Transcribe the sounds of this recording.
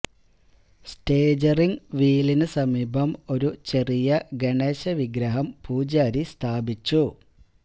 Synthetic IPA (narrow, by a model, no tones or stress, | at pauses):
sʈeːd͡ʑɐriŋʋiːlinɨsɐmiːbʱɐmo̞ɾut͡ɕe̞rijɐɡeɳeːɕɐʋiɡɾɐɦɐmpuːd͡ʑaːɾist̪ʰaːbit͡ɕːu